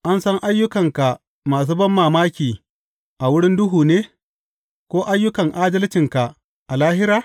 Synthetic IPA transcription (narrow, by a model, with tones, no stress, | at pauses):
ʔa˦nsɐ˦ŋʔa˦jːʊ˦kɐ˨ŋka˨ | maː˨s̬uː˦bɐ˦mːaː˨maː˦kʲiː˨ | ʔa˨wʊ˦ɽɪ˦ndʊ˦ɦuː˨neː˦ | kʷoː˦ʔa˦jːʊ˦kɐ˨ŋʔaː˦d͡ʒɐ˦lɪ˦t͡ʃɪ˨ŋka˨ʔ | ʔa˨laː˦hɪ˦ɾaː˨